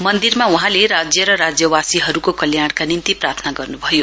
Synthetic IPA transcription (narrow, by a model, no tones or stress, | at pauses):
mʌnd̪irmauɦãleɾad͡zjʌɾʌɾad͡zjʌwasiɦʌɾukokʌljaɽ̃kanint̪iprart̪ʰnaɡʌrnubʱʌjo